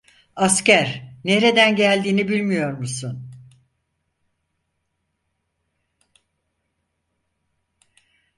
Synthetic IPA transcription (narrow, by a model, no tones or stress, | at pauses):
ascæɾneɾe̞d̪ænɟælʲd̪iːnibilʲmijo̞ɾmusun